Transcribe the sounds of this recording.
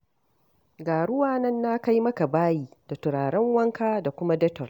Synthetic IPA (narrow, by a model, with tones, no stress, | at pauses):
ɡaː˨ɽʊ˦waː˨nɐ˦nːa˦ka˦jmɐ˦ka˨baː˦jiː˦d̥a˨tʊ˨ɽaː˨ɽɛ˦ŋwɐ˦ŋkaː˦da˨kʷʊ˦ma˦dɐ˦tɔ˨r